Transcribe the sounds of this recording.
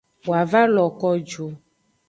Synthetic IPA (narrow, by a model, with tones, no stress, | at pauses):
wo˨a˨va˦lɔ˨kɔ˦d͡ʒo˦